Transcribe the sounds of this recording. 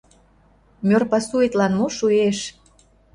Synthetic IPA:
mʲørpɑsuet̪lɑnmuʃueʃ

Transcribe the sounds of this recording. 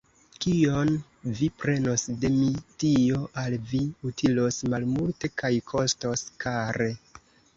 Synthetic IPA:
kio̞n | vipɾe̞no̞sde̞mitio̞ʔalviutʰilo̞smalmulte̞kajkʰo̞sto̞skʰaɾe̞

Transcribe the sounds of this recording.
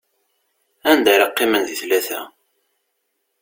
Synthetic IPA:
ænd̪æɾɑqːɪmənðiθlæθæ̰

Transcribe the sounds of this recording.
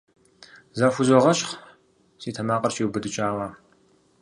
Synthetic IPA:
zaːfʷuzɔʁɐʃχ | siːtʰɐmaːqʼɐrʃiwbɨdɨt͡ʃʼaːwaː

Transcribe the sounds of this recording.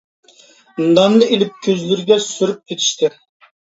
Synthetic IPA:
nd̪ɑnd̪ɨʔelɪp̚kʲʰøzlyɾɪɡʲɛsyɾyp̚kʲʰet̪ʰi̥ʃt̪ʰɪ

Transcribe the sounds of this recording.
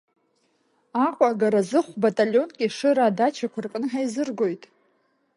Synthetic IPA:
aqʷʼaaɡaɾazɨχʷbatʼaljo̞nkʲʼɪʂɨɾaːdat͡ʃʰakʷʰarkʼɨnɨħajzɨrɡo̞jtʼ

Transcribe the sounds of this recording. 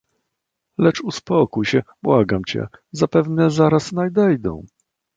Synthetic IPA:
lɛt͡ʂuspɔkujɕɛbwaɡamt͡ɕɛ̰zapɛvnɛzaɾasnajd̪ɛjd̪ɔ̰̃w̃

